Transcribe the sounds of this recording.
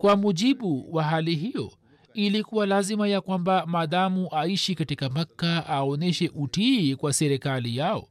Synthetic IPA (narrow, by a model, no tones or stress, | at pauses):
kwamuʄiɓuwaɦaliɦijɔ̰ | ilikuwalazimajakwambamaːðamuʔaiʃikatikamakːaaɔnɛʃɛʔutikwasɛɾikalijaɔ̰